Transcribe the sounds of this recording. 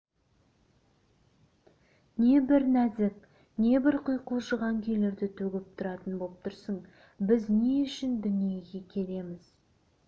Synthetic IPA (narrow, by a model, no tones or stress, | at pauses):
ne̞bɪɾnæzɪk̚ | ne̞bɪɾqʰʊjquʒəʁɑŋkʲʰe̞jle̞ɾd̪ɪt̪ʰɵɡʲɪp̚t̪ʰʊɾɑt̪ənbolˠəp̚t̪ʰʊɾsəɴ | bɪzne̞ʏʃɪnd̪ʏnije̞ɡʲe̞kʲʰe̞le̞mɪz̥